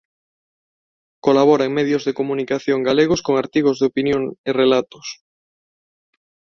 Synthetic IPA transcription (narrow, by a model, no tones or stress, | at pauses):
kolaβ̞ɔɾaeŋmeðjozðekomunikaθjoŋɡaleɣ̞oskoŋaɾt̪iɣ̞ozðeopinjoŋerelat̪o̥s